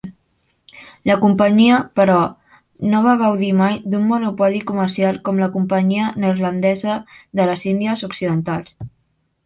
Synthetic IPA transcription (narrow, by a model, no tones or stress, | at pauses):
ləkumpəɲiəpəɾɔ | noβ̞aɣ̞əwðimajd̪umːunupɔlikuməɾsialˠkɔmləkumpəɲiənəzlənd̪ɛzəðələzind̪iəzuksiðənt̪alˠs